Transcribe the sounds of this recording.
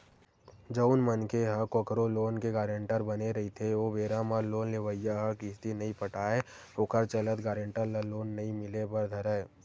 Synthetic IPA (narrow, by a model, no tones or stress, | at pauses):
d͡ʒəʊnmənkeɦəkokɾoloːnkeɡaːɾẽɳʈəɾbɐneɾɐɦit̪ʰeobeːɾamaloːnleʋəjaɦəkɪst̪inɐɦĩpɐʈaːe | okəɾt͡ʃələt̪ɡaːɾẽɳʈəɾlaloːnːɐĩmɪlebɐɾd̪ʱɐɾə